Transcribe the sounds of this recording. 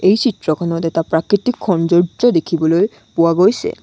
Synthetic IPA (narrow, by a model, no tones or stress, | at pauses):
ejt͡ɕit̪ːɾokʰɔnod̪et̪apɾakɾit̪ikʰːɔnd͡ʑoɾd͡ʑod̪ekʰiboloe | puaɡojt͡ɕʰḛ